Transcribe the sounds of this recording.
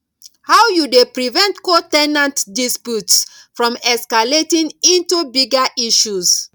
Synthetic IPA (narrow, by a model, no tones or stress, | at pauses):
hawjudepɹivɛ̃ntkotɛnãntdispjuts | fɹɔ̃mɛskaletĩnĩntubiɡaʔiʃus